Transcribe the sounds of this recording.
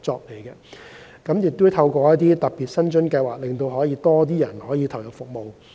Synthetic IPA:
t͡sɔː˧k̚le˨˩jkɛ˧ | kɐ˨˥mjɪ˨k̚t̪u˥t̪ʰɐ˧wkʷɔː˧jɐ˥t̚t̪iː˥t̪ɐ˨k̚piː˨t̚sɐ˥nt͡ʃɵ˥nkɐ˧jwaː˨k̚lɪ˨ŋt̪o˧wɦɔː˨˥jiː˧t̪ɔː˥t̪̬iː˥jɐ˨˩nhɔː˨˥jiː˨˧t̪ʰɐ˨˩wjɐ˨k̚fʊ˨k̚mo˨w

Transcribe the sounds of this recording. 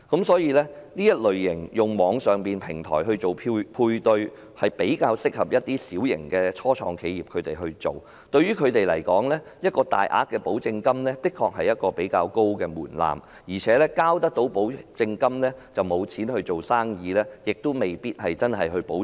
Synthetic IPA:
kɐ˨˥msɔː˨˥jiː˧lɛː˥niː˥jɐ˥t̚lɵ˨ɥːɪ˨˩ŋjʊ˨˩ŋmɔː˨˧ŋsœː˨ŋpiː˨npʰɪ˨˩ŋt̪ʰɔ̰ː˨˩jɦɵ˧ɥt͡so˨˩wpʰːpʰuː˧jt̪ɵ˧ɥ | hɐ˨jpe˨˥jkaː˧wsɪ˥k̚hɐ˨p̚jɐ˥t̚t̪iː˥siː˨˥wjɪ̰˨˩ŋkɛː˧t͡ʃʰɔː˥t͡ʃʰɔ̰ː˧ŋkʰe˨˧jiː˨p̚kʰɵ˨˧t̪e˨jɦɵ˧ɥt͡so˨w | t̪ɵ˧ɥyː˥kʰɵ˨˧t̪e˨jlɐ̰˨˩jkɔː˨˥ŋlɛː˥ | jɐ˥t̚kɔː˧t̪a̰ː˨jʔa̰ː˨˥t̚kːɛː˧po˨˥wt͡sɪ˧ŋkɐ˥mlɛː˥t̪ɪ˥kʰɔː˧k̚hɐ˨jːɐ˥t̚kɔː˧pe˨˥jkaː˧wko˥wkɛː˧muː˨˩nla̰ː˨m | jiː˨˩t͡ʃʰɛː˨˥lɛː˥kaː˥wt̪ɐ˥k̚t̪o˨˥wpo˨˥wt͡sɪ˧ŋkɐ˥mlɛː˥t͡sɐ˨wmo˨˧wt͡sʰiː˨˥nhɵ˧t͡so˨wsaː˥ŋjiː˨˧lɛː˥jɪ˨k̚t̪o˥me˨˩jpiː˥t̚hɐ˨jt͡sɐ˥nɦɐ˨jɦɵ˧po˨˥

